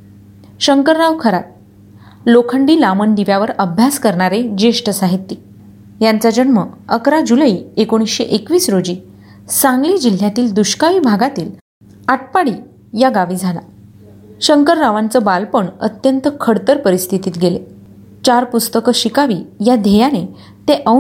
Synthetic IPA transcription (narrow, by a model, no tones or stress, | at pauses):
ɕəŋkəɾːaʋkʰəɾat̪̚ | lokʰəɳɖiːlaməɳd̪iʋjaʋəɾəbʱjaskəɾɳaɾed͡ʑeʂʈəsaɦit̪ːiː | jant͡sad͡ʑənməəkɾad͡ʑuləiːekoɽ̃isɕeʔekʋiːsɾod͡ʑiː | sãŋɡliːd͡ʑil̤ːjat̪iːld̪uɕkaʋiːbʱaɡat̪iːl | aʈ̚paɽiː | jaɡaʋiːd͡zʱala̰ | ɕəŋkəɾːaʋant͡səbalpəɳə̰t̪jənt̪əkʰəɽt̪əɾpəɾist̪ʰit̪iːt̪ɡele | t͡ɕaɾpust̪əkəɕikaʋiːjad̪ʱejane | t̪eʔə